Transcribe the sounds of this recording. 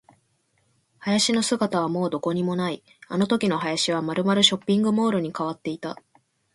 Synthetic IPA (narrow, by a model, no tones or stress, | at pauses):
hajaɕino̞sɨɡat̪aβ̞amo̞ːd̪o̞ko̞ɲ̟imo̞nai | ano̞t̪o̞kʲino̞ɦajaɕiβ̞amaɾɯ̟maɾɯ̟ɕo̞pʲːĩŋɡɯ̟mo̞ːɾɯ̟ɲ̟ikaβ̞at̪ːe̞it̪a̰